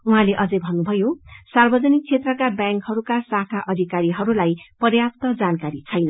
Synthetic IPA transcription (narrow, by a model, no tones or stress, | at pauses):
uɦãleʔʌd͡zʌjbʱʌnːubʱʌjosarbʌd͡zʌnik̚t͡sʰet̪rʌkabjaŋkhʌɾukasakʰaʔʌd̪ʱikaɾiɦʌɾulajpʌrjap̚t̪ʌd͡zankaɾit͡sʰʌjnʌ